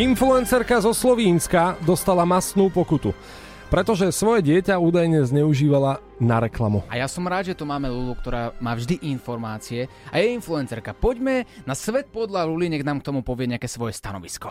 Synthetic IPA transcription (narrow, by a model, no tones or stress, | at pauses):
influɛnsɛɾkazɔslɔʋiːnskad̪ɔst̪alamast̪nuːpɔkut̪u | pɾɛt̪ɔʒɛsʋɔjɛɟɪɛcauːd̪ajɲɛzɲɛuʒiːʋala | naɾɛklamua̰jasɔmɾaːd̪ʒɛt̪umaːmɛlulukt̪ɔɾaːmaːvʒd̪iʔinfɔɾmaːt͡siɛajɛinfluɛnt͡sɛɾkapɔɟmɛnasʋɛt̪̚pɔd̪laluliɲɛɣnaːmkt̪ɔmupɔʋɪɛɲɛakɛːsʋɔjɛst̪anɔʋiskɔ̥